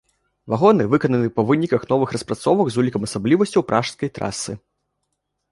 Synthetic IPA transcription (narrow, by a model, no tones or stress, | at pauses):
vaɣɔnɨvɨkɐnɐnɨpɐvɨnʲikɐxnɔvɨxrɐspɾat̪sɔvɐɡzulʲikɐmɐsablʲivɐsʲt͡sʲɐwpɾʔaʂskɐjt̪ɾa̰sɨ